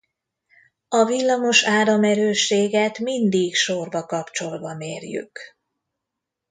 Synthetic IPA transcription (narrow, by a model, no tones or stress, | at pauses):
ɒvilːɒmo̞ʃaːɾɒmɛɾøːʃːeːɡɛt̪mind̪ikʃorbɒkɒpt͡ʃo̞lbɒmeːrjy̰k